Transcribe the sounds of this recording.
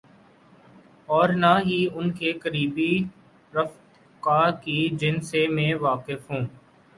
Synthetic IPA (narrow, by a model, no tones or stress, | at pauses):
ɔːɾnaɦiʊnkekəɾiːbi | ɾɐft̪ | kaːɾkid͡ʒɪnsemẽːʋaːqɪfɦũː